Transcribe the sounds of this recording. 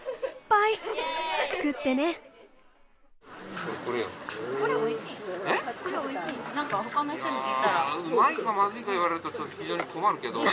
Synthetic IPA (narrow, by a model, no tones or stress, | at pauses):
pait͡sɨ̥kɯt̪ːe̞ne | koɾkoɾejo̰koɾeoiɕiːekoɾeoiɕiːnãŋkahakanːat̪ẽneit̪ːaɾaɯmaiɡamadɯiɡaiβaɾeɾɯ̟t̪ot͡ɕot̪oçid͡ʑoːɲikʰomaɾɯ̟ke̞d̪o